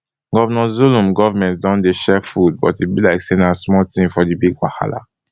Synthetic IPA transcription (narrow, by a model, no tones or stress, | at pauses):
ɡɔvɔnɔzulũmɡɔvɔmɛ̃nt̚dɔ̃ndeʃɛfud̚bɔtibilaɪksenasmɔltĩmfɔdibiɡwa̰ha̰la̰